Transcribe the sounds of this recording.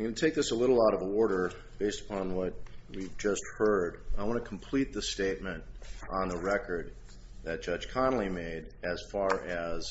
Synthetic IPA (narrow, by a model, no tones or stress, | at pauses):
ɡɨ̃nɨtʰeɪk̚ðɪsəlɪɾl̩ˠaʊɾʌvəɔɹɾə˞ | b̥eɪstə̥pʰɑ̃nwʌt̚wivd͡ʒʌst̚hɜ˞daɪwɑ̃nɨkʰm̩pʰl̥it̪̚ðɨsteɪt̚mɨ̃ntn̩ðəɹɛkə˞d̪̚ | ðɨt̚d̥ʒ̥ʌd̥ʒ̥kʰɑ̃nl̩ˠimeɪɾɨz̥fɑɹɨz̥